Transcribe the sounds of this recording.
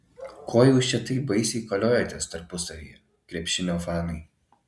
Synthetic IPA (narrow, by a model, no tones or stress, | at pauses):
kʰoːjɛʊt͡ʃʲɛt̪ɐɪbɐɪsʲɛɪkoːlʲoːjoːt̪ʲeːst̪ɐɾpʊsɐʋʲḭːjːɛ | kɾʲɛpʲʃʲɪmʲoːfɑːnɐɪ